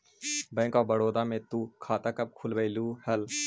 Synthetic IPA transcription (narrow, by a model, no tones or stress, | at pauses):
bə̃ːŋkabəɽoːd̪aːmẽt̪uːkʰaːt̪aːkəp̚kʰulʋəiluːhəl